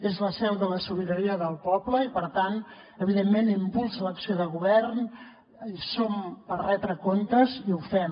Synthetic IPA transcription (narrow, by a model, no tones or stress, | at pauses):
ezləsɛwðələsuliðuɾiəðəlˠpɔbləipəɾt̪an | əβiðemːenimbulˠsələksioðəɣuβɛrn | sompərrɛt̪ɾəkont̪əziufɛm